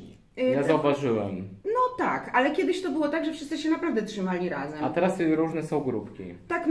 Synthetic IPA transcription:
jazauvaʐɘwɛmnɔt̪a̰kalɛkʲɛd̪ɘɕt̪ɔbɘwɔt̪aɡʐɛfʂɨst̪ɘɕɛnapɾavd̪ɛtʂɨmalʲiɾazɛmat̪ɛɾasɾuʐnɛsɔ̃w̃ɡɾupkʲḭt̪ak

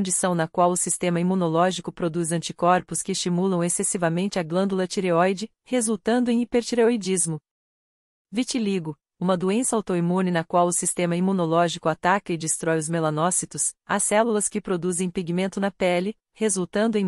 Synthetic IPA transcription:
õd͡ʒisɐ̃w̃nɐkwawʊsist̪ẽmɐimũnolɔʒikʊpɾod̪uzɐ̃nt͡ʃikɔɾpʊskɪːst͡ʃimulɐ̃w̃esesivɐmẽnt͡ʃɪɐɡlɐ̃nd̪ulɐt͡ʃiɾeɔjd͡ʒɪ | hezuwt̪ɐ̃nd̪ʊẽj̃ipeɾt͡ʃiɾeojd͡ʒizmʊ | vit͡ʃiliɡʊ | ũmɐd̪uẽsɐawt̪oimũnɪnɐkwawʊsist̪ẽmɐimunolɔʒikʊat̪akɐɪd͡ʒist̪ɾɔjʊzmelɐnɔsit̪ʊsɐsɛlulɐskɪpɾod̪uzẽj̃piɡimẽnt̪ʊnɐpɛlɪ | hezuwt̪ɐ̃nd̪ʊẽj̃

